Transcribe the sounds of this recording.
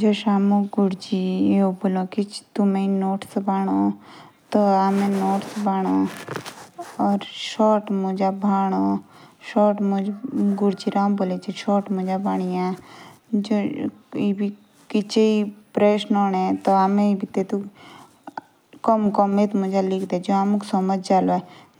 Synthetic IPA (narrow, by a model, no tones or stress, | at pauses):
d͡ʒoːʃaːmũɡʊɽd͡ʒieobolõkit͡ʃt̪umẽinoːʈsbaːɽ̃o | t̪oamẽnoːʈsbaːɽ̃o | ɔːɾʃɔːʈmʊd͡ʒabʱaːɽ̃o | ʃɔːʈmɡʊɾt͡ʃiɾãːmboːlet͡ʃeʃɔːʈmʊd͡ʒabaːɽ̃ijã | d͡ʒoibʱi | kɪt͡ʃeipɾeːʃnoːnet̪oaːmẽibʱit̪et̪u | kɔmkɔmet̪mʊd͡ʒalɪkʰd̪ed͡ʒoamuksɔməd͡ʒʱd͡ʒaːloɛ